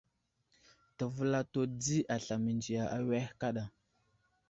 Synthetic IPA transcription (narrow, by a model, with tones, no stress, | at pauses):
tə˨və˦la˦to˦d͡zi˦ʔa˨ɬa˨mi˨nd͡ʒi˨ja˨ʔa˨we˦hka˦ɗa˨